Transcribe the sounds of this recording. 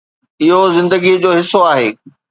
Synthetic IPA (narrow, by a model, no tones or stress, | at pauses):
ɪɦozɪ̃nd̪əɡid͡ʑoːɦɪsoaːɦeː